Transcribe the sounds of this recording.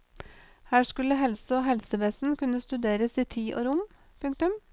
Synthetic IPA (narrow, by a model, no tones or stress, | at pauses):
hæːʂkʉlːəɦɛlsəoːɦɛlsəʋɛsn̩kʉnːəst̪ʉd̪eːɾəsiːt̪ʰiːʔo̰ːɾʊm | pʰʉŋk̚t̪ʉm